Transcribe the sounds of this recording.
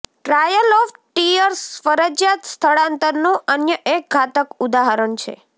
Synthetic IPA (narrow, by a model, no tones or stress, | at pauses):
ʈɾajəlɔfʈijəɾsfəɾəd͡ʒjat̪st̪ʰəɭãnt̪əɾnũʔənjəʔek̚ɡʱat̪əkud̪aɦaɾəɳt͡ʃʰḛ